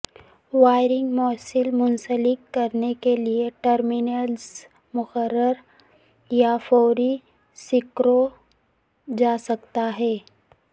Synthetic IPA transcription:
waːɪɾɪ̃ŋɡmɔːsɪlmʊnsəlɪkːɐɾnekelieʈəɾmɪnəlz | mʊxəɾːəɾ | jafɔːɾi | sɪkɾo | d͡ʒaːsɐkt̪aɦɛː

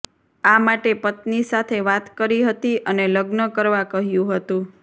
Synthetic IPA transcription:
amaʈepət̪nisat̪ʰeʋat̪kəɾiɦət̪iʔəneləɡnəkəɾʋakəɦjũɦət̪ũ

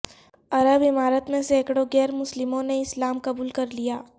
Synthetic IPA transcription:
ɐɾəbɪmaːɾət̪mẽseːkɽoɡɛːɾmʊslɪmõneɪslaːmkɐbuːlkɐɾlijaː

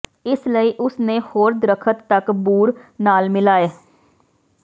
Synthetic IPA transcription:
ɪsləiːʔʊsnẽːhoːɾd̪ɾəkʰət̪ːəkbuːɾnaːlmɪlaːeː

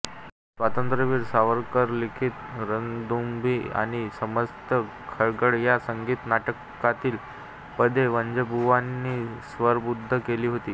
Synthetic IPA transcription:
sʋat̪ənt̪ɾəʋiːɾsaʋəɾkəɾlikʰit̪ɾəŋɡd̪umbʱiːa̰ɽ̃isəməst̪ə | kʰəɾɡəɽjasəŋɡiːt̪naʈəkː | at̪iːl | pəd̪ʱeʋəɲd͡ʑəbʱuʋanːiːsʋəɾbud̪ʱːəkeliːɦot̪iː

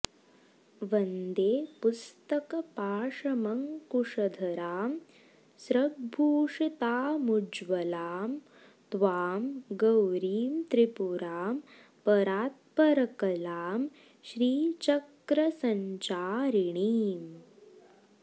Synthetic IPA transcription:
ʋɐnd̪eːpust̪ɐkɐpaːʂɐmɐŋkuʂɐd̪ʱɐɾaːm | sɾɐɡ̚bʱuːʂit̪aːmud͡ʒʋɐlaːm | t̪ʋaːmɡɐwɾiːmt̪ɾipuɾaːm | pɐɾaːt̪̚pɐɾɐkɐlaːm | ʃɾiːt͡ʃɐkɾɐsɐɲt͡ʃaːɾiɳiːm

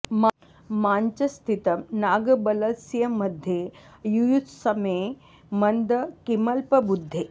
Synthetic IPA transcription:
m | maɲt͡ʃɐst̪ʰit̪ɐmnaɡɐbɐlɐsjɐmɐd̪ʱːje | jujut̪sɐmeː | mɐnd̪əkimɐlpɐbud̪ʱːe

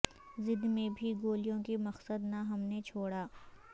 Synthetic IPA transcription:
zɪd̪mẽbʱiɡoːlijõkimɐqsəd̪naɦɐmnet͡ʃʰoːɽaː

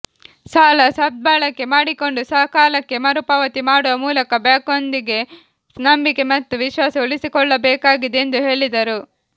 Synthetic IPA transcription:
saːlɐsɐb̚d̪̚baːɭɐkːe̞maːɽiko̞ɳɖusɐkaːlɐkːe̞mɐɾupɐʋɐt̪imaːɽɔʋɐmuːlɐkɐbaːkond̪iɡe̞ | snɐmbike̞mɐt̪ːuʋiʃʋaːsɐuɭisikɔɭːɐbɛːkaːɡid̪eend̪uɦe̞ːɭid̪ɐɾu

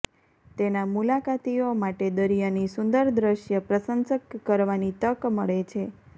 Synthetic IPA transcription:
t̪enamulakat̪iomaʈed̪əɾijanisʊnd̪əɾd̪ɾəʃjəpɾəsənsəkːəɾʋanit̪əkməɭet͡ʃʰe

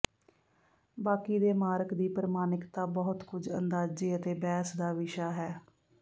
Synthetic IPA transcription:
baːkiːd̪eːmaːɾəkd̪iːpɾəmaːnɪkt̪aːbɔːʊt̪kʊd͡ʒə̰nd̪aːd͡ʒiːət̪eːbɛːsd̪aːʋɪʃaːɦɛː

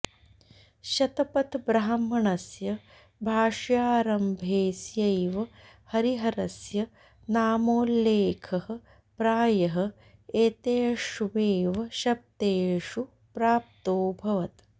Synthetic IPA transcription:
ʃɐt̪ɐpɐt̪bɾaɦːamːɐɳɐsjɐ | bʱaːʂjaːɾɐmbʱeːsjɐjʋɐ | hɐɾiɦɐɾɐsjɐ | naːmoːlːeːkʰɐhɐ̆ | pɾaːjɐɦɐ̆ | eːt̪eːʂuʋeːʋɐʃɐp̚t̪eːʂu | pɾaːp̚t̪oːbʱɐʋɐt̪

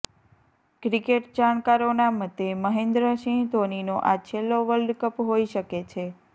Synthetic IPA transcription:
kɾikeʈd͡ʒankaɾonamət̪ːeməɦẽnd̪ɾəʃĩt̪oninoʔat͡ʃʰelːoʋəlɖkəpɦoiʃəket͡ʃʰe

